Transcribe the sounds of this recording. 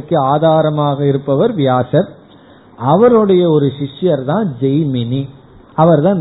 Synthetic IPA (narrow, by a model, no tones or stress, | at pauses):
kːɯaːðaːɾɐmaːɣɐɪɾɯpːɐʋɐɾʋjaːsɐɾ | ʔɐʋɐɾɯɽɐjɐɔɾɯʃɪʂjɐɾt̪ãːd͡ʒɐjmɪni | ɐʋɐɾt̪ãːn